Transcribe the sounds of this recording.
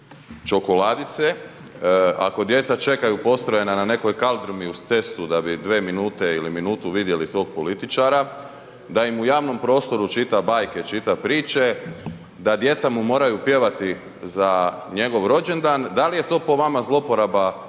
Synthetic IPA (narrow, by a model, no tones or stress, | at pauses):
t͡ʃo̞ko̞lad̪it̪se | a̰ko̞d̪je̞t̪sat͡ʃe̞kajupo̞st̪ɾo̞je̞nanane̞ko̞jkalˠd̪ɾumiust̪se̞st̪ud̪abid̪ʋe̞ːminuːt̪e̞iliminuːt̪uʋid̪je̞lit̪o̞ːɡ̚po̞lit̪it͡ʃaɾa | d̪aimujaːʋno̞mpɾo̞ːst̪o̞ɾut͡ʃit̪abaːjket͡ʃit̪apɾiːt͡ʃe̞ | d̪ad̪je̞t̪samumo̞ːɾajupje̞ʋat̪i | zaɲe̞ɡo̞ʋɾo̞d͡ʑe̞nd̪aːnd̪alije̞t̪o̞ːpo̞ʋamazlˠo̞po̞ɾaba